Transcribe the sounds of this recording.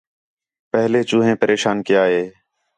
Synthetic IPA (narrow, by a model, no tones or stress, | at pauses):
pəɦleːt͡ʃũːɦẽːpəɾʔeːʃaːnkɪjaːɦeː